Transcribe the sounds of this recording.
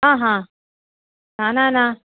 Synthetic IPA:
ɦãɦã | nananã

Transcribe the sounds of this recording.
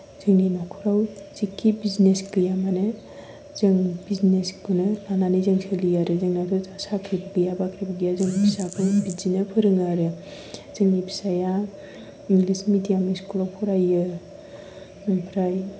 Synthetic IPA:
z̥ɯŋninakʰuɾawzikʰːibiznesɡɯjamanɯ | zɯŋbizneskunɯlananizɯŋsʰelijaɾɯzɯŋnatʰɔzasakʰɾibɯɡɯjabakʰɾibɐɡijazɯŋnipʰisabʰɯbid͡ʒinɯpʰɯɾɯŋaɾɯ | z̥ɯŋnibʰi̥saja | iŋɡlismidijamaiskulawkʰɔɾajɯ | pʰɾaj

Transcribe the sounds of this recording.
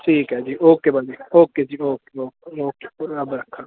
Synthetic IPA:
ʈʰiːkɦɛːd͡ʒiːoːkeːbɐld͡ʒiːoːked͡ʒiːoːkeoːkeoːkepʊɾɐbɾɐkʰːa

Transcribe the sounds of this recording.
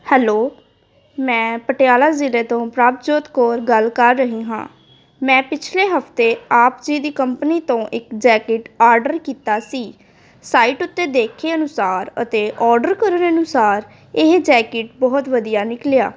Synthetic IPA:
hɛːloː | mɛ̃ːpəʈejaːlaːzɪleːt̪õːpɾaːp̪̚d͡ʒoːt̪koːɾɡəlkəɾːəɦiːɦã̰ː | mɛ̃ːpɪt͡ʃʰleːɦəpt̪eːaːpd͡ʒiːd̪iːkəmpəniːt̪õːʔɪkd͡ʒɛːkɪʈaːɾɖəɾkiːt̪aːsiː | saːiːʈʊt̪ːeːd̪eːkʰeːənʊsaːɾə̰t̪eːʔɔːɾɖəɾkəɾənənʊsaːɾ | ɪɦd͡ʒɛːkɪʈ̚bɔːt̪ʋəd̪ijaːnɪklja̰ː

